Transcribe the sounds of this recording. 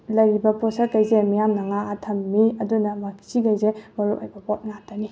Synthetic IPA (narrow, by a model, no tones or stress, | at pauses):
lɐjɾibɐpɔsɐɾkɐjzemijamnɐŋaːtʰɐmːiɐdunɐmakʰi̥siɡɐjzemɐɾuʔojbɐpot̚ŋatːɐni